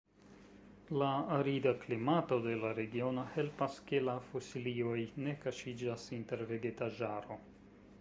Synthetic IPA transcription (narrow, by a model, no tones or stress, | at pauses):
laːɾidaklimato̞de̞laɾe̞ɡio̞no̞he̞lpaske̞lafosilio̞jne̞kaʃid͡ʒasinte̞ɾve̞ɡe̞taʒaɾo̞